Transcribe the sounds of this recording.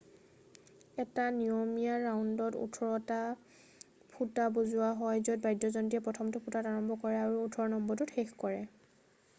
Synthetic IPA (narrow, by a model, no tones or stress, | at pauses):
ɛtaniomijaɹaundɔtṵtʰɔɹɔta | pʰutabozʊwaɦɔjzɔt̚bajdjɔzɔntijɛpɹɔtʰɔmtupʰutataɹɔmbɔkɔɹɛaɹuːtʰɔɹɔnɔmbɔtutxexkɔɹɛ